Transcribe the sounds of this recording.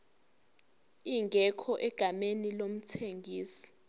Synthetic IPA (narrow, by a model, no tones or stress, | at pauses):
iŋɡʱɛkʰɔʔɛɡ̥ʱamenilom̩tʰeŋɡʱiːsi̥